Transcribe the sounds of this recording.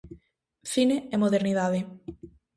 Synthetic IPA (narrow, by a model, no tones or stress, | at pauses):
θineemoðeɾniðaðe